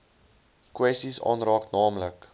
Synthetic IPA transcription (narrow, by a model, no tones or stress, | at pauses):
kwɛstisɑ̰ːnrɑːknɑːmlək